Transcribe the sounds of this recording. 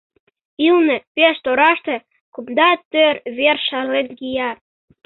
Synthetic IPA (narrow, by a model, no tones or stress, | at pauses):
ilnĕpeʃt̪oɾɑʃt̪ĕ | kupd̪ɑt̪øɾβerʃɑrlet̪ɡijɑ